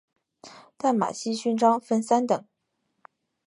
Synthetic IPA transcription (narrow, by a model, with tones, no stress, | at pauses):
t̪a˥˩nma̰˨˩ɕi˥ɕy˥nʈ͡ʂɑ˥ŋfə˥˧nsa˥nt̪ɤ˨˩˦ŋ